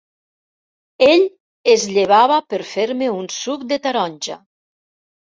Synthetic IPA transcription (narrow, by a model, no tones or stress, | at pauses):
eʎ | ezʎeβ̞aβapəɾfeɾmeunsuk̚d̪et̪aɾɔnʲʒa̰